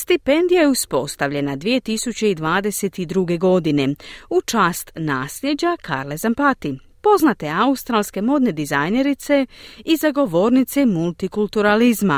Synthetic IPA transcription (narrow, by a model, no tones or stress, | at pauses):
st̪ipe̞nd̪ijajeuspo̞st̪aʋʎe̞nad̪ʋije̞t̪isut͡ɕe̞id̪ʋaːd̪e̞se̞t̪id̪ɾuɡe̞ɡo̞d̪ine̞ut͡ʃaːst̪naːsʎe̞d͡ʑakʰa̰ɾlezampat̪i | po̞znat̪e̞aust̪ɾaːlˠske̞mo̞d̪ne̞d̪izajne̞ɾit̪se̞izaɡo̞ʋo̞ːɾnit̪semulˠt̪ikulˠt̪uɾalizma